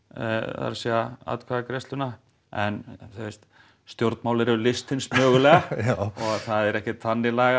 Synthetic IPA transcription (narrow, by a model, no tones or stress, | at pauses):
a̰ɾsiaa̰t̪kʰvaɣakɾɛst̪lʏna | ɛnθest̪ | st̪jowɾt̪maːwlɪɾɛvʏlɪst̪ɪnsmœːɣʏlɛːɣɣaɔɣθaðɛɾɛhcɪt̪ʰanːɪlaɣa